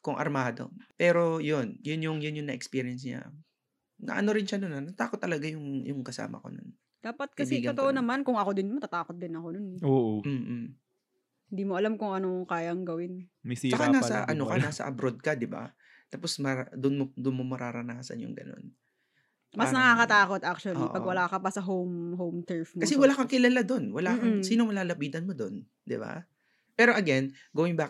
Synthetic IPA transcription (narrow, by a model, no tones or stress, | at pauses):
kʊŋʔɐ̰ɾmaːd̪o̰pɛːɾo̞jonjʊnjʊŋjʊnjʊŋnɐʔɛkspiːɾɪɛns̬ɲa̰ | nɐ̰ʔɐ̰no̞ɾɪnʃanʊnɐnɐt̪aːkot̪ːɐlɐɡajʊŋjʊŋkɐsa̰ːmɐ̰ko̞̰no̰n | d̪aːpɐt̪̚kɐbiɛːɡɐont̪oʔonɐmankʊŋɐkod̪ɪnmɐt̪at̪aːkot̪̚d̪ɪnɐkononoʔm̩ːm | hɪnd̪iːmoʔɐlamkʊŋɐnokaːjɐŋɡɐwɪnt͡ʃːɐkanaːsɐ̰ʔɐ̰nokɐnaːsɐ̰ʔɐ̰bɾod̪̚kɐd̪ɪba̰ | t̪aːposmɐɾad̪ʊnmod̪ʊnmomɐɾaːɾɐnaːsɐ̰njʊ̰ŋɡɐ̰no̞̰n | mɐsnɐkaːkɐt̪aːkot̪̚ʔak̚t͡ʃʊɐliʔpɐɡwɐlaːkɐpɐsɐɦowmɦowmt̪ɛɹfmkɐsɛwɐlaːkɐŋkɪlɐlad̪o̞nwɐlaːkɐŋsiːnomɐlaːlɐbiːd̪ɐnmod̪o̞n | d̪ɪ̰ba̰ | pɛːɾo̞ʔɐɡɛn | ɡɐwɪnbaːk